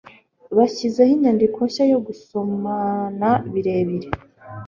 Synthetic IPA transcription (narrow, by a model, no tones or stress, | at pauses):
βaçizehiɲandikʰoɲɕajo̞ɡuso̞manaβiɾe̞ːβiɾe